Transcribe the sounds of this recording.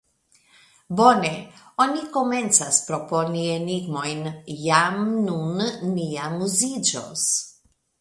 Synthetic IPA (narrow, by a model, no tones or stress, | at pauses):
bɔnɛɔnʲikomɛnt̪saspɾɔpɔnʲieniɡmɔjnjamnunnijamuzid͡ʒɔ̰s